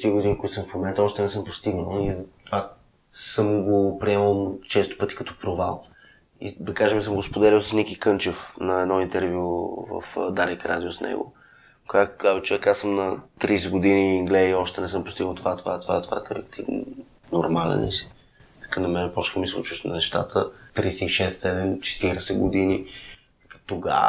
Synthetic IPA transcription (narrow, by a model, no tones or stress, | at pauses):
t̪iɡʊd̪inikoit̪səmfmomɛnt̪əɔʃt̪ɛnɛsɤmpost̪iɡnəlˠizt̪va | səmɡopɾiɛməlˠt͡ʃɛst̪o̥pɤt̪i̥kɐt̪ɔ̥pɾovalˠ | ḭd̪ɐkaʒɛmisəmɡospod̪ɛɾʲilˠsə̥snikikɤnt͡ʃɛfnɐɛd̪nɔint̪ɛɾvʲjuvə̰fd̪aɾikɾʔa̰d̪iosnɛ̰ɡʊ̰ | kɡaɡazɛt͡ʃɛɐkasəmnɐt̪ɾiːsɛɡʊd̪iniːŋɡlɛiɔʃt̪ɛnɛsɤmpɾʊ̥st̪iɡəlˠt̪ovat̪ovaɛt̪ova̰ɛt̪ova̰ɛt̪oɾɛkt̪ivn̰ | noɾmalɛ̰nɛ̰si̥ | kənɐmɛnɛpɔt͡ʃkəmisˠut͡ʃuʃt̪nnɛʃt̪a̰t̪ʰət̪ɾisɛiʃɛst̪sɛd̪ɛmt͡ʃɛ̥t̪iɾɛsɛɡod̪ini | t̪oɡa̰